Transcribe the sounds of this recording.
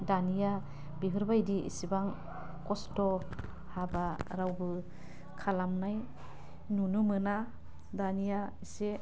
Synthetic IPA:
danija | bibɯɾbajdiḭsibaŋ | kɔstɔ | habaɾawbɯ | kʰalamnaj | nunumɯna | danijaise

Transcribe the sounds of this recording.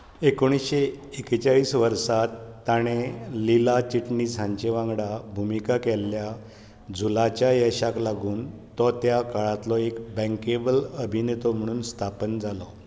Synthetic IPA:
ekoɽ̃isɕeekt͡ɕaɭiːsʋəɾsat̪ːaɽ̃elilat͡ɕiʈɳid͡zʱãɲt͡ɕeʋãŋɡɽabʱumikakɛlːja | d͡zʱulat͡ɕjajəɕaklaɡuːnt̪ɔt̪jakaɭat̪lɔekbɛ̃ŋkebələbʱinet̪ɔm̤əɽ̃uːnst̪ʰapənd͡zalɔ

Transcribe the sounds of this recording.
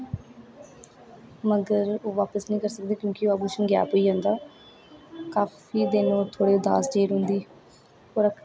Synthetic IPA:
məɡəɾoːʋaːpəsnĩːkəɾsək̚d̪eːkjõːkɪoːaːbulʃənɡja̰ːpoːiːãːnd̪aː | kaːfiːd̪ɪnõːt̪ʰoːɽeːʊd̪a̰ːsd͡ʒeːɾɦʊ̃nd̪iː | poɾək

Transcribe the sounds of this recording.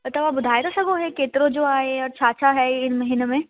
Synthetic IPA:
t̪ɐʋabʊd̪ʱaːed̪asɐɡoɦɛkeːt̪ɾõd͡ʑoːaːeɔːɾt͡ɕʰaːt͡ʃʰaɦɛɪnmɐɦiːnemẽ

